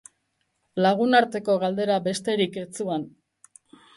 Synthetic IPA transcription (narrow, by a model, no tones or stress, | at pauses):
laɣ̞unaɾt̪e̞ko̞ɣald̪e̞ɾabe̞st̪e̞ɾike̞t͡suan